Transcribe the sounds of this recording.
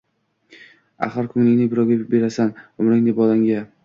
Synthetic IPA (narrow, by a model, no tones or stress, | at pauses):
a̰χɨɾkʰʊŋlɪŋʲnɪbɪɾɒwɡʲabe̞ɾasanʊmɾɪŋd̪ɪbɒlaŋɡʲa